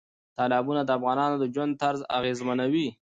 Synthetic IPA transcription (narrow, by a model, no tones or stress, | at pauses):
t̪ɑlɑbunad̪əafɣɑnɑnod̪əd͡ʒwand̪̚t̪aɾza̰ɣezmanawi